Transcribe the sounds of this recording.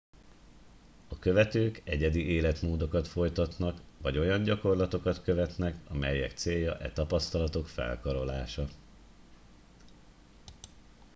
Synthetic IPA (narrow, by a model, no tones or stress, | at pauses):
ɒkø̞vɛt̪øːkɛɟɛd̪ieːlɛt̪moːd̪o̞kɒt̪fo̞jt̪ɒt̪nɒkʋɒɟo̞jɒɲɟɒko̞rlɒt̪o̞kɒt̪kø̞vɛt̪nɛkɒmɛjːɛkt̪seːjːɒʔɛt̪ɒpɒst̪ɒlɒt̪o̞kfɛ̰lkɒɾo̞laːʃɒ